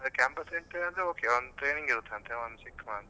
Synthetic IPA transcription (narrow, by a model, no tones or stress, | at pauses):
ɐd̪ɐkaːmpɐsɾeɳʈːeɐnd̪ɾeoːkeond̪ut̪ɾeːniŋɡiɾut̪ʰːeɐnt̪eond̪usik̚t̪ʰɐmaɐnt̪